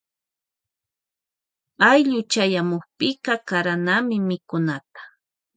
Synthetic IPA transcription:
ajʎʊt͡ʃajamʊχpɪkɑkaɾanamɪmɪkʊnat̪ḁ

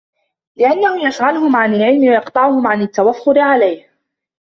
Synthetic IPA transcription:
lɪʔanːahʊjaʃɣanʊɦʊmʕanalʕɪlmɪwajɑqt̪ˤɑʕʊhʊmʕanat̪ːawafːʊɾɪʕalajh

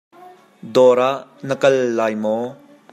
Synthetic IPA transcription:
d̪ɔːɾaʔnɐkɐlːaːjmɔ

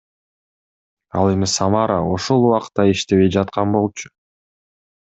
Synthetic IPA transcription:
ɑ̰lˠe̞misɑmɑɾəoʃo̞lˠuwɑqt̪ːɑiʃt̪e̞βe̞jd͡ʒɑt̪̚qɑnbo̞lˠt͡ʃʰʊ̥

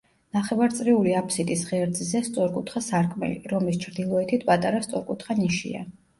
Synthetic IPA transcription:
naχɛvaɾt̪sʼɾiuliapʰsit̪ʼisʁɛɾd̪zzɛst̪sʼɔɾkʼut̪ʰχasaɾkʼmɛ̰lḭɾɔmlist͡ʃʰɾd̪ilˠɔɛt̪ʰit̪ʰpʼat̪ʼaɾast̪sʼɔɾkʼut̪ʰχaniʃḭa̰

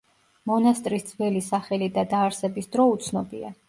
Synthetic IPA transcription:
mɔnast̪ʼɾisd̪z̥vɛlisaχɛlid̪ad̪aːɾsɛbisd̪ɾɔut̪sʰnɔbia̰

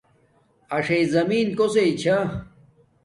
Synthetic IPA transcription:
ɐʂeizɐmiːnkoset͡ɕʰa

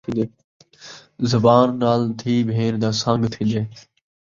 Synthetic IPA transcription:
id̪eː | zəbaːnːaːlt̪ʰiːbʱeːɾd̪aːsãːŋɡt̪ʰĩːd̪eː

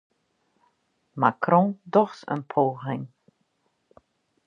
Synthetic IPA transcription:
makʰrɔ̃dɔxtə̰npʰoːɣɪŋ

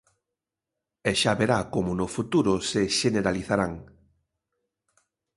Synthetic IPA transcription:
ɛʃaβeɾakomʊnʊfut̪uɾʊseʃeneɾaliθaɾaŋ

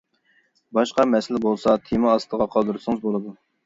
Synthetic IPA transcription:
bɑʃqɑmɛsɪlɪbolˠsɑt̪ʰemɑːst̪ʰəʁɑqʰɑd̪uɾɨsɨŋɨzbolˠɨd̪u

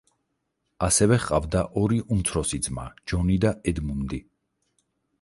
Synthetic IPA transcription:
asɛvɛχqʼavd̪aʔɔɾiʔumt̪sʰɾɔsid̪zma̰d͡ʒɔnid̪aɛd̪mumd̪i

